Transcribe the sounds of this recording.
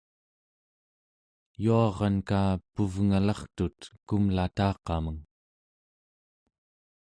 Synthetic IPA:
juɑʁɑnkaːpuvŋalɑχt̪ut̪kumlat̪ɑːqɑməŋ

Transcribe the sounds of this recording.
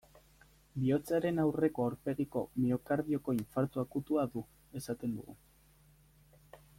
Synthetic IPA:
bio̞t͡saɾe̞nawre̞ko̞awɾpe̞ɣiko̞̰miokaɾðio̞ko̞iɱfaɾt̪uakut̪uaðu | e̞sat̪e̞nd̪ṵɣṵ

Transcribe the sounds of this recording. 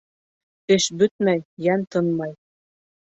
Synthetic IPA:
t̪ɘ̆ʃbɵt̪̚mæjːænt̪ɤ̆nmɑj

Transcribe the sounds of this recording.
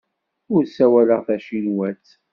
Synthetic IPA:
ʊɾsæwæləʁθæʃinwæt͡s

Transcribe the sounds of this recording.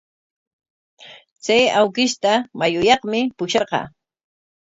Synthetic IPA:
t͡sajawkɪʃt̪amajʊjɑχmɪpʊʃɑɾqɑ̰ː

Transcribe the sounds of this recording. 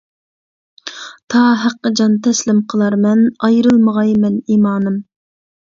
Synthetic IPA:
t̪ʰɑːɦæqːəd͡ʒɑnt̪ʰɛslɪmqʰəlˠɑɾmɛnɑjɾɨlˠməʁɑjmɛniːmɑːnɨm

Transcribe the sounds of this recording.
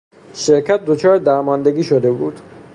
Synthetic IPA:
ʃeɾkʰæt̪̚d̪ot͡ʃʰɒːɾed̪æɾmɒːnd̪eɡʲiːʃod̪ebuːd̪̥

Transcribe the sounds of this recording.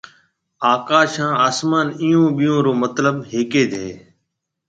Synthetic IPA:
aːkaːʃãːaːsmaːnijõːɓɪjõːɾoːmət̪ləbɦeːkeːd̪ʱeː

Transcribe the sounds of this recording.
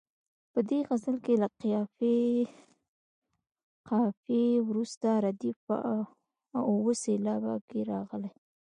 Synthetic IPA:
pəd̪eɣazəlkelaqijɑfe | qɑfewɾust̪aɾad̪if | owəselɑba̰keɾɑɣəlaj

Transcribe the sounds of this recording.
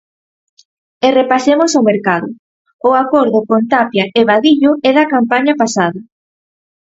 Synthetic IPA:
erepasemʊsawmeɾkaðʊ | ʊakoɾðʊkont̪apjaʔeβaðiʎʊɛðakampaɲapasaðɐ

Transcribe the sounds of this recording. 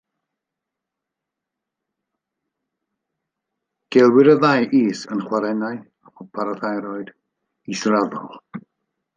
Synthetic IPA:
ɡ̥ɛlˠwɪɾəðajʔiːsənχwaɾɛnaɨ | apʰɔpʰaɾɔθajɾɔɨd | israðɔ̰lˠ

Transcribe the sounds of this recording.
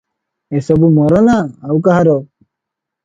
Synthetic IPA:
esɔbumɔɾɔnaːwkaɦaɾɔ

